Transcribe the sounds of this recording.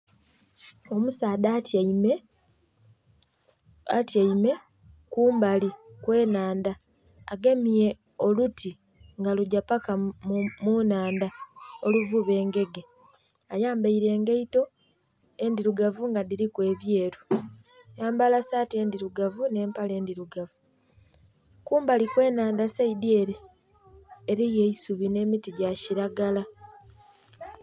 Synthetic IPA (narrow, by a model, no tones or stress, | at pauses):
o̞musaːdatme | ataime̞ | kuːmbalikwe̞ːnaːndaː | ɡe̞mije̞ | o̞luti | ŋɡaluɟapakamunaːndao̞luvuβe̞ːŋɡe̞ɡe̞ | ajaːmbaiɾe̞ːŋɡeito̞ | e̞ndiɾuɡavuŋɡadiɾikwe̞ːβje̞ːɾu | jaːmbalasaːtie̞ːndiɾuɡavune̞ːmpale̞ːndiɾuɡavu | kuːmbalikwe̞ːnaːndasaidieɾeː | ɾije̞isuβine̞ːmitiɟaciɾaɡala